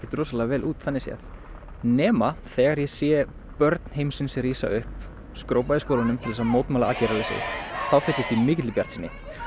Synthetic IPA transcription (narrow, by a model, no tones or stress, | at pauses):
ɪ̥t̪ɾoːsalɛɣavɛːlʔuːt̪θanːɪsjɛ̰θ | nɛːmaθɛːɣaɾjɛsjɛ | pœɾt̪n̥ɦejmsɪnsɪriːsa̰ʏhp | skɾowpaðɪskowlanʏmt̪ʰɪlðɛsamoːwt̪maːlaaːcejɾalesɪ̰θawfɪht̪ːɪst̪imɪːcɪt̪lɪpjaɾ̥t̪sɪnːɪ̰